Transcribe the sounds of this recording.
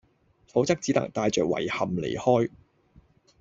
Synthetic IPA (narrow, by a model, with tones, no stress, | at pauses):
fo˨˥wt͡sɐ˥k̚t͡siː˨˥t̪ɐ̰˨˩ŋt̪aː˧jt͡ʃœː˨k̚wɐ̰˨˩jhɐ˨mlḛ˨˩jhɔː˥j